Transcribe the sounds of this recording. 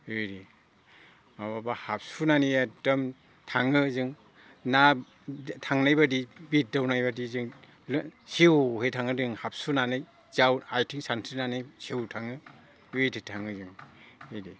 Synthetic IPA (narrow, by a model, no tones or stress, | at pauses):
ɯjɾi | mababahap̚sunaniatɯm | tʰaŋɯzɯŋ | na | tʰaŋnajbadibit̚dawnajbadizɯŋ | siwhejtʰaŋɯdɯŋhap̚sunanɯj | zawajtʰiŋsansʰinanajsiwtʰaŋɯ | ɯjtʰitʰaŋɯzɯŋɯjɾi